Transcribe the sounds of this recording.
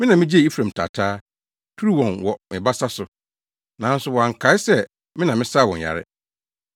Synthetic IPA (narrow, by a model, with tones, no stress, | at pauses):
mɪ̃˦nã˨mɪ̃˦d͡ʑi˦ɛ˦˨i˦fɾã˨m˨tʰa̰˨tʰaː˦ | tʰu˦ɾi˦wɔ̃˨nwɔ˨mɪ̃˨ba˦sa˦sʊ˨ | nã˨˦n̩˦sʊ˨wɔ˨a˨ŋ̩˨kʰa˨˦ɪ˦sɛ˦ | mɪ̃˦nã˨mɪ̃˦sa˦˨wɔ̃˨ja̰˨ɾɪ̰˦